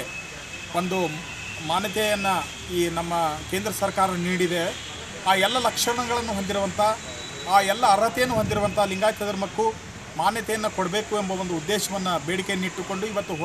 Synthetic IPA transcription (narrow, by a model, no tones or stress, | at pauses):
ond̪u | maːnjɐt̪ɛjɐnːɐ | iːnɐmːɐkeːnd̪ɾɐsɐɾkaːɾɐniːɽid̪e̞ | aːɛlːɐlɐkʂɐɳɐɡɐɭɐnːuɦond̪iɾuʋɐnt̪ʰɐ | aːɛlːɐːɾɐt̪ɛjɐnːuɦond̪iɾuʋɐnt̪ʰɐliŋɡaːjt̪ɐd̪ɐɾmɐkːu | maːnjɐt̪ɛjɐnːɐkoɽɐbe̞ːkuembɐond̪uud̪ːeːʃɐʋɐnːɐbeːɽike̞niʈːuko̞ɳɖuiʋɐt̪ːuɦo